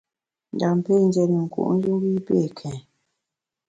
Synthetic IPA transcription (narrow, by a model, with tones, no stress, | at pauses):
n˨da˨m˨pe˦˨n˦d͡ʒɛ˨ni˨ŋ̩˨kṵ˨ʔn̩˦d͡ʒu˦ŋ˦ɡi˦pe˦˨kʰɛ̃˨